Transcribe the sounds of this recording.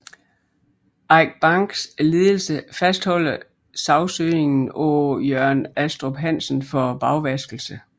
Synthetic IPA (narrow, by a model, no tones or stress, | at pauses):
ɑɪɡ̥̚b̥ɑ̈ŋɡ̥sle̝ːðˠl̩səfæsd̥hɒ̽l̰ɐ | sɑ̈ʊsøːe̝ŋn̩ojœɐ̰næsd̥ʁob̥ɦæn̰sn̩fɒb̥ɑ̈ʊʋæsɡ̥l̩sə